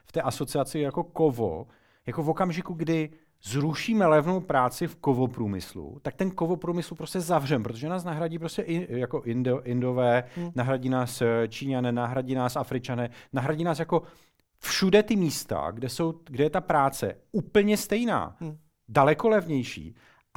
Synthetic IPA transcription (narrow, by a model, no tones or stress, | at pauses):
ft̪ɛːʔaso̞t͡sɪat͡sɪjako̞kovo̰ | jako̞vo̞kamʒɪkuɡdɪ | zɾuʃiːmɛlɛvno̞wpɾaːt͡sɪfko̞vo̞pɾuːmɪ̰slṵt̪ak̚t̪ɛnko̞vo̞pɾuːmɪsl̩pɾo̞scɛzavr̝ɛmpɾot̪oʒɛnaːs̬naɦɾaɟiːp̬ɾo̞scɛʔɪjako̞ʔɪndʔɪndo̞vɛːnaɦɾaɟiːnaːst͡ʃiːɲanɛnaɦɾaɟiːnaːsʔafɾɪt͡ʃanɛnaɦɾaɟiːnaːsjako̞ | fʃudɛt̪ɪmiːst̪a̰ɡdɛso̞wɡdɛjɛt̪apɾaːt͡sɛ̰ | upl̩ɲɛst̪ɛjna̰ː | dalɛko̞lɛvɲɛjʃḭː